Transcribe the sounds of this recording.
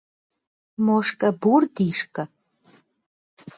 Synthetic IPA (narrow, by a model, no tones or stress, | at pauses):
moʂkʼɐburd̪iʃkʼɐ